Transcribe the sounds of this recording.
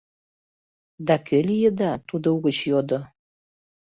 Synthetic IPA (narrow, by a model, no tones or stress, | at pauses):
d̪ɑkʰølijəd̪ɑt̪ud̪ouɣət͡ɕjod̪o